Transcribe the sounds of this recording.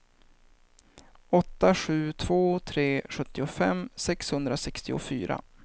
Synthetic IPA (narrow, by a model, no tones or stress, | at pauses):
ɔt̪ːaɧʉ̟ːt̪ʰv̥oːt̪ʰɾeːɧɵt̪ːɪʊfɛmsɛkshɵnd̪ɾasɛkst̪ɪʊ̰fy̰ːɾa̰